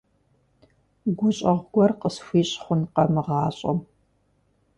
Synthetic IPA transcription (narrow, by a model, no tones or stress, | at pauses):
ɡʷʊɕʼɐʁʷɡʷɔrqəsfʷiːɕʼχʷʊnqɐmɨʁɑːɕʼɐ̰m